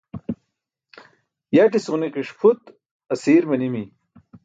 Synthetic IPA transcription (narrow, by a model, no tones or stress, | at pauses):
jaʈ̬isʁuniqiʂpʰut̪ | ɐsiːɾmɐnimi